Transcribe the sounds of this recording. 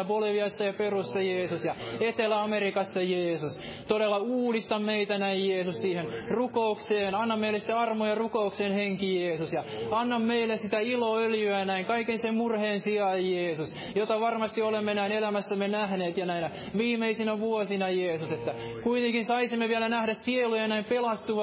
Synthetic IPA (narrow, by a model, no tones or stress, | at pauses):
ʋoliʋiɑsːɑjɑperusːɑjeːsusjɑet̪elæɑmerikɑsːɑjeːsus | t̪oɾelːɑuːlist̪ɑmmeit̪ænæijjeːsussiːhenrukoukseːnɑnːɑmmeilːˑesiteɑrmojɑrukoukseːnheŋkijeːsusjɑɑnːɑmmeilːessit̪æiloːøljyæjɑnæiŋkɑikːensemmurheːnsiɑjjeːsus | jot̪ɑʋɑrmɑst̪iolemːenæinelæmæsːæmːenæhneːt̪jɑnæinæ | ʋiːmeisinæʋuosinɑjeːsuset̪ːæ | kuit̪eŋkinsɑisimːeʋiælænæhɾæssielujɑnæimpelɑst̪uʋɑ